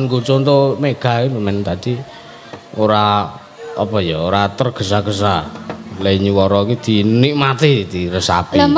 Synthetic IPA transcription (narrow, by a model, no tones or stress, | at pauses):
nkut͡ʃont̪omeɡ̥a̤iməmɛnt̪ad̪i | oɾa | ɔpɔjɔoɾat̪ərɡ̥ə̤s̬aɡ̥əs̬aleiɲuwɔɾɔkid̪̥i̤niʔmat̪id̪̥iɾəsa̰pə